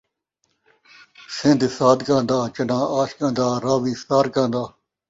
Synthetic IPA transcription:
sɪ̃nd̪saːd̪kãːnd̪aːt͡ʃənãːaːʃkãːnd̪aːɾaːʋiːsaːɾkãːnd̪aː

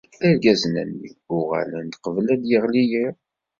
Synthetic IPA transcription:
æɾɡæznæ̰nːḭʊʁa̰lənd̪qəvəlæd̪jiʁliji

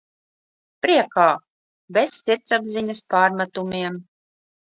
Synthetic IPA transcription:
pɾiɛkaː | besːiɾt̪sabziɲaspaːɾmat̪umiɛm

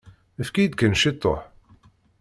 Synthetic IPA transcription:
əfkid̪̚kænʃit̪ˤːo̰ħ

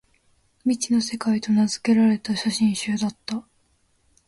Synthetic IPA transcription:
mʲit͡ɕino̞se̞kait̪o̞nazɨ̥ke̞ɾaɾe̞t̪aɕaɕĩɰ̃ɕɨːd̪at̪ːa

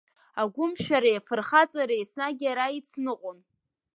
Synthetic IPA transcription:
aɡʷʊmʃᶣaɾajfɨrχat͡sʼaɾejsnaɡʲaɾait͡sʰnɨqʷʼon

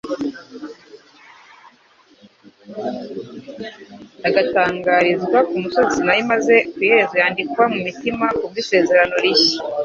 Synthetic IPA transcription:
aɡataːŋɡaːɾizɡwakumuso̞zinajimaze̞kujeɾezajaːndikwamumitimakub̚ɡise̞ːze̞ɾano̞ɾiçi̥

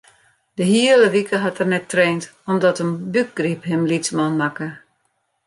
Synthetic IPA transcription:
dəɦiələʋikʰəɦatərnɛtːreːntɔmdɔtənbyk̚ɡ̥riphɪmlit͡smɔnmakə

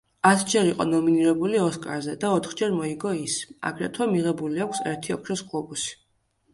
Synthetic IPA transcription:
at̪ʰd͡ʒɛɾiqʼɔ̰nɔminiɾɛbuliɔskʼa̰ɾzɛd̪aɔt̪ʰχd͡ʒɛɾmɔiɡɔisa̰ɡɾɛt̪ʰwamiʁɛbuliakʰsɛ̰ɾt̪ʰiɔkʰɾɛskʼlˠɔbusi̥

